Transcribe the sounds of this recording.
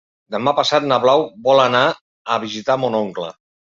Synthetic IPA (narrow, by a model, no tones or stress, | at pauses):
d̪əmapasat̪̚nəβlawbɔləna | əβizit̪amonoŋklə̰